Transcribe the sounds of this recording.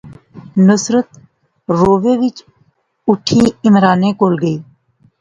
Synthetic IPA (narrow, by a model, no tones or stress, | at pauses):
nʊsɾət̪̚ | ɾoːʋeːʋɪt͡ʃ | ʊʈʰiːɪmɾaːnẽːkoːlɡəiː